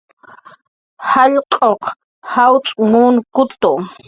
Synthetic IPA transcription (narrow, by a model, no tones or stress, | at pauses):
haʎqʼoq | hawt͡sʼmuːnkʊt̪o